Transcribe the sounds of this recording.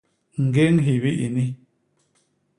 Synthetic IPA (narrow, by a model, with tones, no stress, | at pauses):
ŋ̩˨ɡe˦ŋ̩˦ɦi˨βi˦ʔi˨ni˦